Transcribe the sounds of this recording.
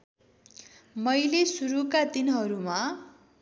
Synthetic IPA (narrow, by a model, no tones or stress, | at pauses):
mʌjlesuɾukad̪inɦʌɾuma